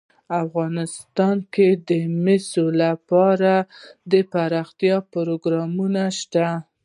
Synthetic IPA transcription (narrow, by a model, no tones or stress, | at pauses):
afɣɑnɪst̪ɑnked̪əmesolapɑɾad̪əpaɾɑxt̪jɑpʊɾoɡɾɑmunaʃt̪a